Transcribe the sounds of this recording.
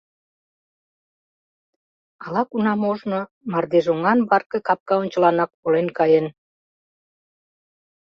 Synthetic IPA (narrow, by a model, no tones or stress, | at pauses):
ɑlɑkunɑmoʒno | mɑrd̪eʒoŋɑnbɑrkəkɑp̚kɑonʲt͡ɕəlɑnɑk̚polenkɑjen